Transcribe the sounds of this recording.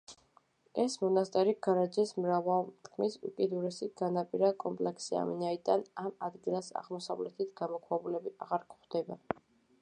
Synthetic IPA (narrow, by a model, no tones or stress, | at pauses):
ɛsmɔnast̪ʼɛɾiɡ̥aɾad͡ʒɛsmɾavalˠt̪ʰkʰmisṵkʼid̪uɾɛsiɡ̥anapʼiɾakʼɔmpʼlɛksia̰minaid̪anamad̪ɡilˠasa̰ʁmɔsavlɛt̪ʰit̪ʰɡ̥amɔkʰwɛbulɛbiaʁaɾkʼχd̪ɛba